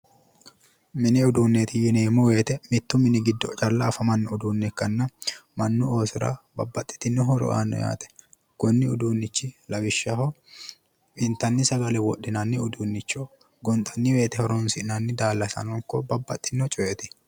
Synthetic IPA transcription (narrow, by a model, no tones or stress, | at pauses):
mɪnɪʊd̪uːnːeːt̪ɪjɪneːmɔwe̞ːt̪ɛmɪt̪ːʊmɪnɪɡɪd̪ːɔt͡ʃʼɐlːɐːfɐmɐnːɔʊd̪uːnːɛkːɐnːɐmɐnːʊo̞ːsʊɾa̰bɐbːɐt̪ʼːɪ̥t̪ːɪnːɔɦɔɾɔ̰ʔa̰ːnːɔ̰ja̰ːt̪ʼɛ̥ | ɡ̥ɔnːɪʊd̪uːnːɪt͡ʃːɪlɐwɪʃːɐhɔ | ɪnt̪ːɐnːɪsɐɡɐlɛwɔɗːɪnɐnːɪʊd̪uːnːɪt͡ʃːoː | ɡɔnt̪ʼːɐnːɪwe̞ːt̪ɛhɔɾɔnsɪʔnɐnːɪd̪aːlːɐsɐ̰nɔŋkːɔbɐbːɐt̪ʼːɪnːɔt͡ʃʼɔʔɛt̪ɪ̥